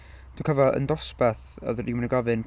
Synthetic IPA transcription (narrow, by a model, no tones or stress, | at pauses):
d̥ukʰəvaʔə̰ndɔspaθɔ̰ðriwmnəɡavɨn